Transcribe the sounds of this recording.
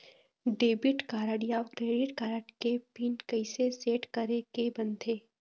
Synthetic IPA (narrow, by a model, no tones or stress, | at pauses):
ɖeːbɪʈkaːɾəɽijaːʋt̪eːɽɪʈkaːɾəʈkepiːnkɐɪseseːʈkɐɾekebɐ̃nt̪ʰeː